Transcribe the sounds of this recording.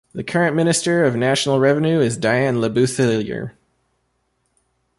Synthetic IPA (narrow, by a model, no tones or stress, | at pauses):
ðɨkʰɜ˞ɨ̃nmɪ̃nɨstə˞ʌvnæʃnl̩ˠɹɛvɨ̃nʉɪzdaɪæ̃nləbʉθɪlˠjə̰˞